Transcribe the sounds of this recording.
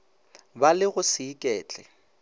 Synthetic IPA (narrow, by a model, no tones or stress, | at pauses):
balɪɣʊsiːkʼɛːt͡ɬʼɛ̰